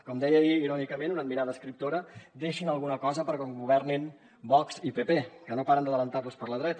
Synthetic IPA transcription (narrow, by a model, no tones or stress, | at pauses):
kɔmd̪ɛjəiiɾɔnikəmẽnunəd̪̚miɾaðəːskɾip̚t̪oɾəd̪eʃinəlˠɣunəkɔzəpəɾkɔŋɡuβ̞ɛrnin | bɔksipepekənopaɾənd̪əðələnt̪aɾβuspəɾləðɾɛt̪ə